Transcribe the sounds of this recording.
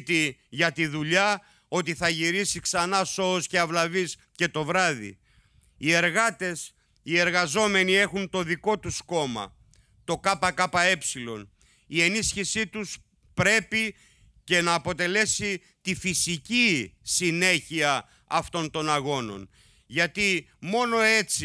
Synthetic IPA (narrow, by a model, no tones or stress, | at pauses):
t̪iʝɐt̪iðuʎɐ | o̞t̪iθɐʝiɾisiksɐnɐso̞osceɐvlɐvis | ce̞t̪o̞vɾɐðḭ | ie̞ɾɣɐt̪e̞s | ie̞ɾɣɐzo̞me̞nie̞xunt̪o̞ðiko̞t̪usko̞mɐ̰ | t̪o̞kɐpɐkɐpɐe̞psilo̞̰n | ie̞nisçisit̪us | pɾe̞pi | ce̞nɐːpo̞t̪e̞le̞si | t̪ifisicisine̞çiɐ | ɐft̪o̞nt̪o̞nɐɣo̞no̞̰n | ʝɐt̪imo̞no̞e̞t͡si